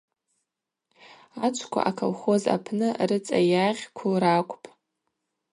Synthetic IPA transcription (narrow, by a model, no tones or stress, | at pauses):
at͡ʃʷʰkʷʰa̰ʔakʰo̰lχo̞za̰pʰnɨrɨt͡sʼa̰jaʁʲkʷʰʊlrakʷʼpʼ